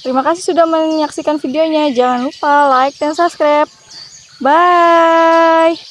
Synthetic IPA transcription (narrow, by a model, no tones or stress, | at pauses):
t̪əɾimakasɪhsudahməɲaksikanfideoɲad͡ʒaŋanlupalaik̚dansaskɾap̚ | ba | j